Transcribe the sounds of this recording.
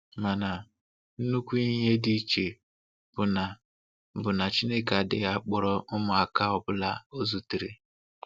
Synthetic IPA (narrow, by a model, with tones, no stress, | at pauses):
ma˨na˨ | n̩˦nu˦kʷu˦i˦ɦe˦di˦˨t͡ʃe˨ | b̥ʊ˨na˨ | bʊ˨na˨t͡ʃi˦ne˦ka˨dɪ̰˦ɣa˦k͡pɔ˨ɾɔ˦ʔʊ˦mʊ˨a˨ka˦ɔ˦˨bʊ˦la˦o˦zu˨ti˨ɾḛ˦